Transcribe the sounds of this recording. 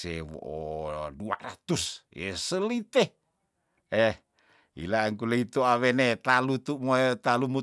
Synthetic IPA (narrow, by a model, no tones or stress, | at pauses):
ewo̰ʔodua̰ɾat̪usesəlit̪e | eh | ḭlaŋkuleit̪oawenet̪alut̪umot̪alumu